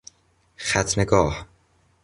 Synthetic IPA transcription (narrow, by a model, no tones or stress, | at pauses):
xæt̪ʰneɡɒːh